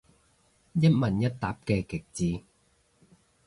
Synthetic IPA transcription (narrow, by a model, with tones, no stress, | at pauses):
jɐ˥t̚mɐ˨njɐ˥t̚t̪aː˨˥p̚kɛː˧kɪ˨˩k̚t͡siː˨˧